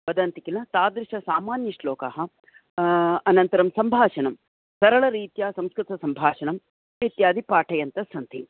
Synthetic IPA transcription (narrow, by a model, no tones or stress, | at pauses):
bɐd̪ɐnt̪ikilɐt̪aːd̪ɾɪʃɐsaːmaːnjɐʂloːkɐɦɐ | ɐnɐnt̪ɐɾɐmsɐmbʱaːʂɐɳɐm | sɐɾɐɭɐɾiːt̪jaːsɐmskɾɪt̪ɐsɐmbʱaːʂɐɳɐm | et̪jaːd̪ʱipaːʈʰɐjɐnt̪ɐsɐnt̪i